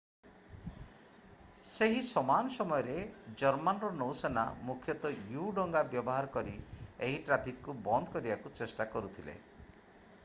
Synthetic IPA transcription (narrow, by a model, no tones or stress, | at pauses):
seɦisɔmanɔsɔmɔjɔɾed͡ʒɔɾmanɔɾɔnowsena̰mukʰjɔt̪ɔjuɖɔŋɡabjɔbɔɦaɾɔkɔɾieɦiʈɾapʰikkubɔnd̪ʱɔkɔɾibakut͡ʃesʈakɔɾut̪ʰilḛ